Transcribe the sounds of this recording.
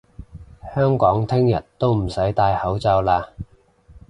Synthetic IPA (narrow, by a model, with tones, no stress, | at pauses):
hœː˥ŋkɔː˨˥ŋt̪ʰɪ˥ŋjɐ̰˨˩t̚t̪o˥wm̩˨˩sɐ˨˥jt̪aː˧jhɐ˨˥wt͡sɐ˧wlaː˧